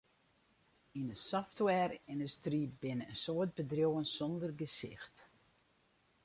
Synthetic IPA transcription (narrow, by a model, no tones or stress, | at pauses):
inəsɔftwɛrɪndustribɪnəənsoət̚bədrjowənsɔndərɡəsɪ̰xt